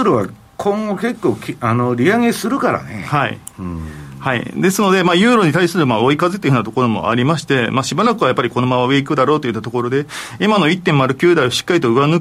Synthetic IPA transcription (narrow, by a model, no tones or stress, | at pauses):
ɾoβa̰ | kʰõ̞ŋɡo̞ke̞kːo̞ːkʲanoɾʲijaɡe̞sɨɾɯ̟kaɾa̰nḛhaḭ | haḭd̪e̞sɨno̞d̪e̞maːjɯːɾo̞ɲ̟it̪aisɨɾɯ̟maːoikazɨt̪ei̟ɯ̟nat̪oko̞ɾo̞mo̞̰ʔa̰ɾʲimaɕi̥t̪e̞maːɕibaɾakɯ̟βajapːaɾʲiko̞no̞mamaβeikʲɯ̟d̪aɾo̞ːt̪o̞jɯ̟t̪ːat̪o̞ko̞ɾo̞d̪e̞imano̞it̪ːẽ̞mːaɾɯ̟kʲɨːd̪aioɕi̥kːaɾʲit̪o̞ɯ̟βanɯ̟